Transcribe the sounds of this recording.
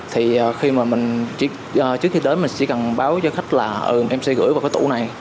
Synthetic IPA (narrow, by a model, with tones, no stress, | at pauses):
t̪ʰi˨˩ʔəː˨˩xi˧maː˨˩mï˨˩ŋ̟t͡ɕḭ˧˥ | ʔəː˨˩t͡ɕɨ˦˥ək̚xi˧ɗe˨˦nmï˨˩ŋ̟t͡ɕḭ˧˥˦ka˨˩nɓaː˨˦wt͡ɕɔ˧xa˦˥jk̟̚laː˨˩ʔəː˨˩ʔɛ˧msɛ˧ɣɨ̰˧˥jva˨˩wkɔː˦t̪ṵ˧˩na˨˩j